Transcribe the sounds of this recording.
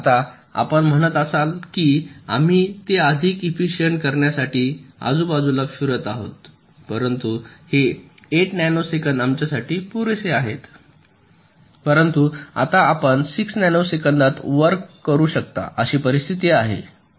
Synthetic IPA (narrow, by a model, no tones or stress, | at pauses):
at̪a | a̰pəɳm̤əɽ̃ət̪əsalkiːa̰m̤iːt̪eəd̪ʱiːkifiɕiəɳʈkəɾɳjasaʈiːa̰d͡zuːbad͡zulafiɾət̪aɦo̰t̪ | pəɾənt̪uhe | eʈnajnosekəɳd̪amt͡ɕjasaʈiːpuɾeseaɦet̪ | pəɾənt̪ua̰t̪aːpəɳsiksnajnosekəɳd̪at̪ʋəɾkkːəɾuːɕək̚t̪a̰ʔəɕiːpəɾist̪ʰit̪iaɦḛ